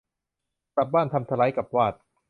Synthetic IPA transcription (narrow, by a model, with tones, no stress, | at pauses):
pa˨˩p̚baː˥˩nt̪ʰa˧mt̪ʰa˧la˨˦˥jka˨˩p̚waː˥˩t̪̚